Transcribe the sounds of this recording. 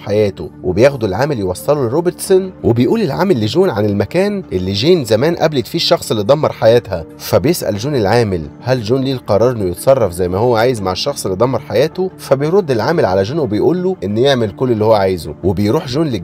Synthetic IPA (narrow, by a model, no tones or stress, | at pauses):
ħajæːt̪o̰webejæːxd̪ulʕaːmeljewɑsˤːɑlulɾoːbeɾt̪sonwebejʔuːlelʕa̰ːmælːeʒuːnʕanelmækæːnʔelːiʒeːnzæmæːnʔæ̰blit̪fiːʃːɑxsˤelːitd̪ˤɑmːɑɾˤħajæːt̪hæfæbejesʔæ̰lʒuːnelʕaːmɪlhælʒuːnliːlqɑɾˤɑːɾˤenwujet̪sˤɑrˤːɑfzæjmæhowːæʕaːjezmaʕeʃːɑxsˤelːitd̪ɑmːɑɾˤħajæːt̪ofæbejɾˤod̪ːelʕaːmelʕalæʒoːnwebejʔuːlːuʔenːjeʕmelkolːelːihowːæʕaːjzo̰webejɾuːħʒuːnle